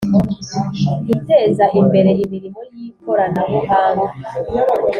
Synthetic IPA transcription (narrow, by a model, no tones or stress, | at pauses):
hite̞zaʔimbe̞ɾe̞imiɾimojikʰoɾanaβoɦaːna